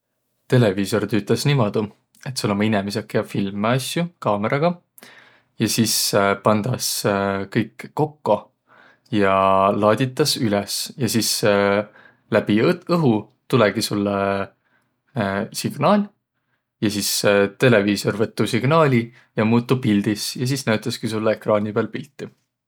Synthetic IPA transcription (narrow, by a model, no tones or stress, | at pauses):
t̪e̞le̞viːso̞rt̪yːt̪ːˑɑsnimɑd̪̥u | e̞t̪sulːomɑinɛmis̬ekːˑjɑfilmeɑsjukɑːmeɾʔɑɡ̥ɑ | jɑsispɑnd̪̥ɑskɤjkːo̞kːo̞ | jɑlɑːd̪̥ʲit̪ːˑɑsylɛsjɑsis | læb̥iɤɦu | t̪ulɛɡ̥isulːe | siɡ̥nɑːlʲ | jɑsist̪e̞le̞viːso̞rvɤt̪ːusiɡ̥nɑːlʲi | jɑmuːt̪ːˑupild̪̥isjɑs̬isnæɥt̪ˑːɑskisulːeekrɑːnʲipeɑːlpilʲt̪ˑːi